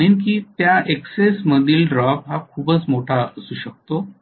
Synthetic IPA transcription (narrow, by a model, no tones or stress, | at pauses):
ɽ̃iːnkiːt̪jaʔeksesməd̪ʱiːlɖɾɔpɦakʰuːbət͡smoʈʰaəsuːɕək̚t̪o